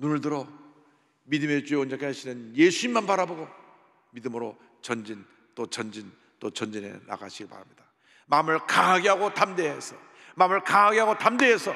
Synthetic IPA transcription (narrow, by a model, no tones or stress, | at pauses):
nunɯɭdɯɾʌ | midɯme̞t͡ɕueond͡ʑakʰeɦaɕʰinɯnjesʰuimːanpaɾaboɡo | midɯmɯɾo | t͡ɕʌnd͡ʑin | t͈ot͡ɕʌnd͡ʑin | t͈ot͡ɕʌnd͡ʑinḛna̰ɡa̰ɕʰiɡiɭpa̰ɾamɲida | mamɯɭkaɦaɡeɦaɡotamdeesʰʌ | mamɯɭkaɦaɡeɦaɡotamdeɦesʰʌ